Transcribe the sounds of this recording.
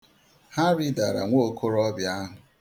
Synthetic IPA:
ha˦ɾi˦da˨ɾa̰˨ŋʷo˦˨kʰo˦ɾɔ˦bja˦ɦʊ˨

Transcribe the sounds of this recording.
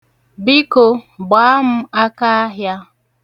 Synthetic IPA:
bi˦ko˨ɡ͡ba˨˦m̩˦a˦ka˦a˦ɦja˦

